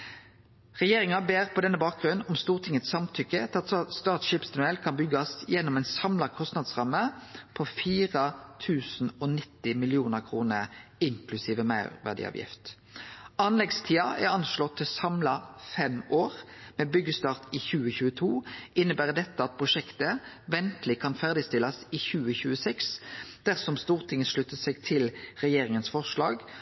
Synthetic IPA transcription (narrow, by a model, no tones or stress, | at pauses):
ʁɛjeːʁɪŋɑbeːʁpʰɔd̪ɛnːəbɑːk̚ɡʁʉnɔmst̪uːʁt̪ʰɪŋːət̪sɑmt̪ʰʏkːət̪ʰɪɑt̪st̪ɑːt̪ʃiːpsɑnʉɛlkʰɑnbʏɡɑsjɛnːɔmɛɪnsɑmlɑkʰɔst̪nɑd̪sʁɑmːəpʰɔfiːʁət̪ʰʉːsn̩ɔnɪt̪ːɪmɪlɪuːnəʁkʰʁuːnəʁɪŋkʰlʉsiːʋəmɑʉʁʋæ̰ʁdɪ̰ɑ̰ːʋjɪ̰ft̪ | ɑnlɛɡst̪ʰiːɑʔæʁɑnʃlɔt̪ʰːɪlsɑmlɑfɛmoːʁmeːbʏɡːəst̪ɑːʁt̪ɪçʉːəçʉːət̪ʰuːɪnːəbæːʁd̪ɛt̪ːəɑt̪̚pʰʁʊʃɛkt̪ə | ʋɛnt̪lɪkʰɑnfæʁd̪ɪst̪ɪlɑsɪçʉːəçʉːəsɛksd̪̥æʁsɔmst̪uːʁt̪ʰɪŋəʃɭʉt̪ːəsɛɡt̪ʰɪlʁɛjeːʁɪŋənsfɔʁʂlɑ̰ːɡ